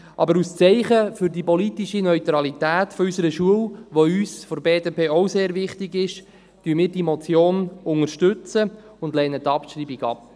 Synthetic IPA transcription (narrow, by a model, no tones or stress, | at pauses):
ʔɑ̰bəɾust͡sɛɪχəfʏɾdipɔlitiʃinœʏt̪ɾɑlit̪æːtfɔysəɾəʃuəlʋoyːsfɔbeːdepeːɔwseːɾʋɪχtiɡɪʃ | tyəmɪːɾdimɔt͡sjoːnʊŋəʃtʏt͡səʊndlɛnət̪ːɑpʃɾiːbiɡɑ̰p̚